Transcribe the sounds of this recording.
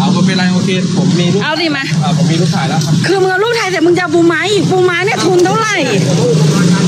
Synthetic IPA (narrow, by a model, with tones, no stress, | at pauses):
a˧˩wkʰɔ˧˩pe˧nla˧˩jʔoː˧kʰeː˧pʰo˨˩˦mːiː˧luː˦˥˩ʔa˧˩wdiː˧˩ma˧ʔaː˨˧˩pʰo˨˩˦miː˧luː˦˥˩k̪̚ʰaː˧˩jlaː˧˥˩kʰa˦˥kʰɯː˧mɨ˧ʔka˧luː˥˩k̚t̪ʰa˧˩t̪ɛː˨˧˩mɯ˧ŋt͡ɕa˧buː˧ma˦˥˩jbuː˧maː˧˥naː˧˩t̪ʰu˧nt̪ʰa˧˥˩wla˨˧˩j